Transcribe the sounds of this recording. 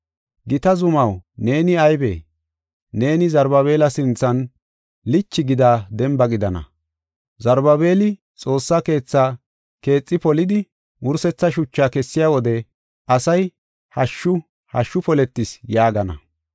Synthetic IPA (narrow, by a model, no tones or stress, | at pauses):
ɡɪt̪ɐzʊmɐwne̞ːnɪɐjbḛː | ne̞ːnɪzɐɾbɐβe̞ːlɐsɪnt͡sːɐn | lɪt͡ʃːɪɡɪd̪aːd̪ɛmbɐɡɪd̪ɐnɐ̰ | zɐɾbɐβe̞ːlɪ | t͡sʼo̞ːsːake̞ːt͡sːa | ke̞ːt͡sʼːɪpɔlɪd̪ɪ | ʔʊɾsɛt͡sːɐʃʊt͡ʃːaːkɛsːɪjaːwɔd̪ɛ | ʔɐsɐj | hɐʃːʊ | hɐʃːʊpɔlɛt̪ːɪsjaːɡɐnɐ̰